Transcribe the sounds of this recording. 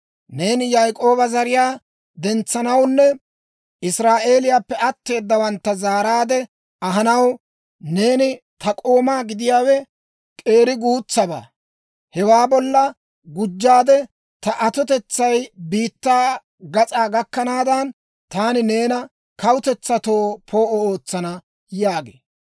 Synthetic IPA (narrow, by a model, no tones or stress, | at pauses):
ne̞ːnjajkʼo̞ːbɐzɐɾɪjaː | d̪ɛnt͡sːɐnɐwnːɛ | ʔɪsɾaːʔe̞ːlɪjaːpːɛɐt̪ːe̞ːd̪ːɐwɐnt̪ːɐzaːɾaːd̪ɛ | ɐɦɐnɐw | ne̞ːnɪ | t̪ɐkʼo̞ːmaːɡɪd̪ɪjaːwɛ | kʼe̞ːɾɪɡuːt͡sːɐba̰ː | hɛwaːbɔlːɐ | ɡʊd͡ʒːaːd̪ɛ | t̪ɐʔɐt̪ɔt̪ɛt͡sːɐjbiːt̪ːaː | ɡɐt͡sʼaːɡɐkːɐnaːd̪ɐn | t̪aːnɪne̞ːnɐ | kɐwʊt̪ɛt͡sːɐt̪o̞ːpʰo̞ːʔɔoːt͡sːɐnɐ | jaːɡḛː